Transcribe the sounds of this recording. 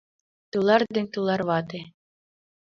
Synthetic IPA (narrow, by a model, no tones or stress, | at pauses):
t̪ɯlˠɑɾd̪ĕnʲt̪ɯlˠɑɾβɑt̪e